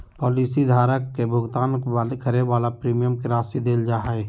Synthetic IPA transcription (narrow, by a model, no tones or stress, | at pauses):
pɔːliːsid̪ʱaːɾəkːebʱʊɡt̪aːnalkʰəɾeʋaːlapɾiːmijəmkiɾaːsid̪eːld͡ʒaːɦae